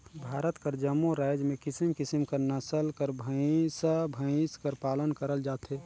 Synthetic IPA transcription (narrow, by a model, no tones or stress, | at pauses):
bʱaːɾət̪kəɾd͡ʒəmːuɾaːjd͡ʒmẽkɪsimkɪsimkəɾnəsəlkəɾbʱəsəbʱə̃skəɾpaːlənkəɾəld͡ʒaːt̪ɦɛ